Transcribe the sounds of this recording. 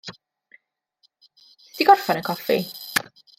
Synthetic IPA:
stiɡɔrfanəkʰɔfḭ

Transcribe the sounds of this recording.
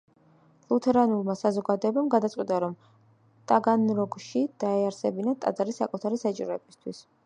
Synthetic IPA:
lˠut̪ʰɛɾanulˠmasazɔɡad̪ɔɛbamɡad̪at̪sʼqʼwit̪ʼaɾɔm | t̪ʼaɡanɾɔɡʃid̪̥aɛaɾsɛbinat̪ʼa̰d̪zʼaɾisːa̰kʼut̪ʰaɾisat͡ʃʼiɾɔɛbist̪ʰwis

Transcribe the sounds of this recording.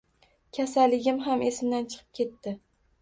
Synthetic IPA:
kʲʰasalːɪɡʲɪmɦame̞sɪmd̪ant͡ʃʰɨ̥qʰɨ̥p̚kʲe̞t̪ːɪ

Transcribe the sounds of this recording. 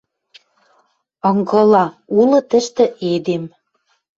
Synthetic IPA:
ɤŋɡɤlɑulɤ̆t̪ə̆ʃt̪ɘ̆ʔed̪em

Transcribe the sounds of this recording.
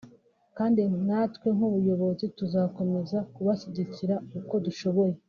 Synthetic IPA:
kaːndinatkwe̞ŋ̥uβujo̞βo̞zituzako̞me̞zakuβaʃiɟiciɾauko̞duʃo̞βo̞je̞

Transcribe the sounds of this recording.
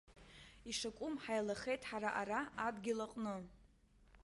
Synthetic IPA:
iʂakʷʼʊmħajlaχe̞jtʼħaɾaʔaɾaadɡʲilaqʼnɨ

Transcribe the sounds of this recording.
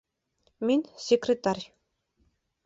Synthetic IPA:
minsʲekrʲɪt̪arʲ

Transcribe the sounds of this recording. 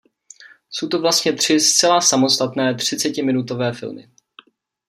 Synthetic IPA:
sowt̪ovlast̪ɲɛt̪r̝̥ɪst͡sɛlasamo̞st̪at̪nɛːt̪r̝̥ɪt͡sɛcɪmɪnut̪o̞vɛːfɪ̰lmɪ̰

